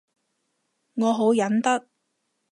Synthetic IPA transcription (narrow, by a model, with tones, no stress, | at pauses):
ŋɔː˨˧ɦo˨˥wjɐ˨˥nt̪ɐ˥k̚